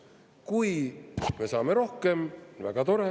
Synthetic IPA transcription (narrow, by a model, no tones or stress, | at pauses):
kujmesɑːmeɾo̞hke̞mvæ̰ɡ̥ɑt̪o̞ɾe